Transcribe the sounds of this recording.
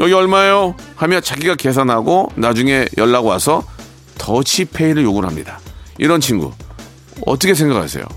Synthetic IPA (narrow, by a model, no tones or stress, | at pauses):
jʌɡiʌɭmaejohamjʌnt͡ɕaɡiɡake̞s̬ʰanɦaɡonad͡ʑuŋe̞jʌɭːaɡowasʰʌ | tʌɕʰipʰe̞iɾɯɭjoɡunɦamɲidaḭɾʌnt͡ɕʰinɡṵ | ʌ̰t͈ʌkʰes̬ʰe̞ŋɡakʰa̰sʰe̞̰jo̰